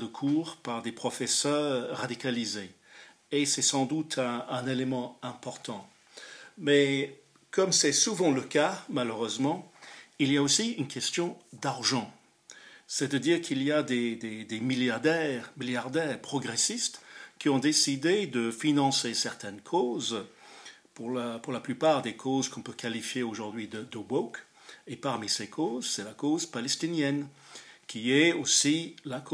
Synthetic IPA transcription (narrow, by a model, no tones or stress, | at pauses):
d̪əkʰuːʁpaʁd̪epχɔfɛsœːʁʁʁad̪ikalize | esɛsɑ̃d̪ut̪ʰɛ̃ɛ̃nelemɑ̃ɛ̃pɔʁt̪ɑ̃ | mɛ | kɔmsɛsuvɑ̃ləkamaløʁøzmɑ̃iliaosiynkʲɛst̪jɔ̃d̪aʁʒɑ̃ | sɛt̪ad̪iːʁkʰilijad̪ed̪ed̪emiljaʁd̪ɛʁmiljaʁd̪ɛːʁpχɔɡʁesist̪kʲiɔ̃d̪esid̪ed̪əfinɑ̃sesɛʁt̪ɛnkʰoz | puʁlapuʁlaplypaʁd̪ekʰozkɔ̃pøkalifjeoʒuʁd̪ɥid̪əd̪əbok | epaʁmisekʰozsɛlakozpalɛst̪injɛn | kʲʰiɛosilak